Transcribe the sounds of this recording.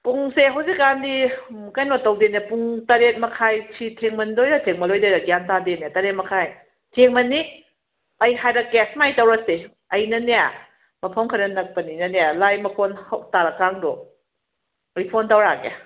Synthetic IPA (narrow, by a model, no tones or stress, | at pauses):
puŋseɦɐwzik̚ːandikajnotɐwdenjapuŋtɐɾet̚mɐkʰajtʰitʰeŋmɐndojɾɐtʰeŋmɐlojdojɾɐɡjantadenjatɐɾet̚mɐkʰaj | tʰeŋmɐnːi | ɐjɦajɾɐɡɛsmajtɐwɾɐse | ɐjnɐneja | mɐpʰamkʰɐɾɐnɐk̚pɐninɐnealajmɐpʰonhɐwtaɾɐkːaŋdo | ɐjpʰontawɾakḛ